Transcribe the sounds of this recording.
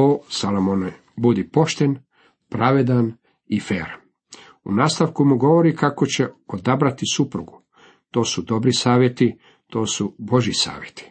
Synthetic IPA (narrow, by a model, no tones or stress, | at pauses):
oːsalomone | bud̪ipo̞ʃt̪en | pɾaʋed̪an | ifḛːɾan | ṵnaːst̪aʋkumuɡo̞ʋo̞ɾikakot͡ɕe̞od̪abɾat̪isupɾuɡu | t̪o̞ːsud̪o̞bɾisaːʋjet̪i | t̪o̞ːsubo̞ʒisa̰ːʋjet̪i̥